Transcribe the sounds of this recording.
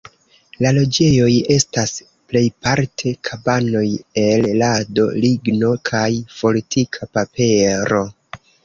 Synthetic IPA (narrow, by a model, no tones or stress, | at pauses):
lalo̞d͡ʒe̞jo̞je̞stas | ple̞jpaɾtʰe̞kʰabano̞je̞llado̞̰liɡno̞kʰajpo̞litʰikʰapape̞ɾo̞